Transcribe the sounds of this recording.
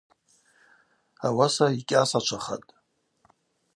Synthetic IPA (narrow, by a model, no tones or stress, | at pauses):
awasaikʲʼasat͡ʃʷʰaχa̰tʼ